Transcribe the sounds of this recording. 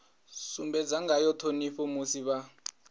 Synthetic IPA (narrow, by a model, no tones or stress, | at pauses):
sumbɛd͡zaŋɡajɔtʰoniɸɔmusiβa